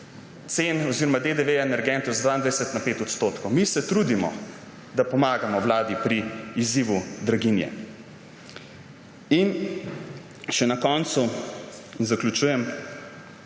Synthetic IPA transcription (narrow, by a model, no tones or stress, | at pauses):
t̪senɔziːɾɔmad̪ed̪eʋeaɛnɛɾɡɛnt̪ɔzad̪ʋaind̪ʋajɛsɛt̪napeːt̪ɔt̪st̪oːt̪kɔwmisɛt̪ɾud̪imɔ̰ | d̪apɔmaːɡamɔwlaːd̪ipɾiiziːʋud̪ɾaɡinjɛ̰ | in | ʃɛnakɔnt̪su | inzaklʲut͡ʃuːjɛm